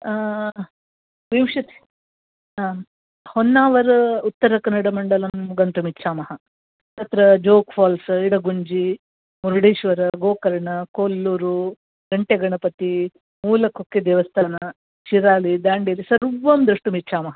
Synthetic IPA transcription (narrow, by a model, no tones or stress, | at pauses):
ʋimʂɐt̪e̥ | honːaːʋɐɾɐut̪ːɐɾɐkɐnːɐɽɐmɐɳɖɐlɐmɡɐnt̪umitːʃʰaːmɐɦɐ | t̪ɐt̪ɾɐd͡ʒoːkfʰaːlsiɽɐɡuɲd͡ʒi | muɾuɽiːʃʋɐɾɐɡoːkɐɾɐɳɐkoːlːuːɾu | ɡɐɳʈeɡɐɳɐpɐt̪i | muːlɐkokːed̪ɛːʋɐst̪ʰaːnɐ | t͡ʃiɾaːlid̪aːɳɖiɾisɐɾuʋɐmd̪ɾɐʂʈumitːt͡ʃʰaːmɐɦɐ